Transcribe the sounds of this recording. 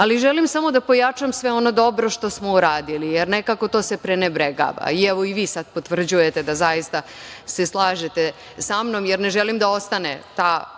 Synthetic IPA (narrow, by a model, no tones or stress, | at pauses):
aliʒelimsamo̞d̪apo̞jat͡ʂamsʋeo̞no̞d̪o̞bɾo̞ʃt̪o̞smo̞uɾaːd̪ilijeɾnekako̞t̪o̞ːse̞pɾenebɾeɡa̰ːʋa̰iɛʋo̞iʋiːsad̪po̞t̪ʋr̩d͡ʑuje̞t̪e̞d̪azajist̪aseslˠaːʒet̪e | samno̞mjeɾneʒelimd̪ao̞st̪anḛt̪aː